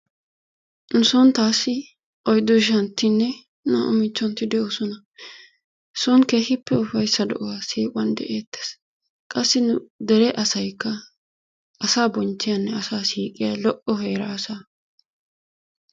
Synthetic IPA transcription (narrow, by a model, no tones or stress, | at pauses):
nʊsɔnt̪aːsːɪ | ʔɔjd̪ɔʃ̬ɐnt̪ːɪnːɛ | nɐʔʊ̰mɪt͡ʃːɔnt̪ɪd̪ɛʔɔsɔnɐ | sɔnkeːhɪpːɛʊfɐjsːɐd̪ɛ̰ʔɔwaːsiːkʼʊwɐnd̪ɛ̰ʔeːt̪ːes | kʼɐsːɪnʊd̪ɛɾɛʔɐsɐjkːɐ | ʔɐsaːbɔnt͡ʃːɪjɐnːɛɐsaːsiːkʼɪjalɔʔɔɦeːɾaːsaː